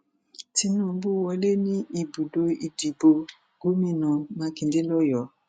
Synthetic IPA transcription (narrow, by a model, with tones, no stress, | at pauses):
ti˦nũ˨˦bu˦˨wɔ˦le˦nĩ˦i˨bu˨do˦i˨di˨bo˨ | ɡo˦mĩ˦˨nɔ̃˨mã˧kĩ˨nde˦lɔ˦jɔ˨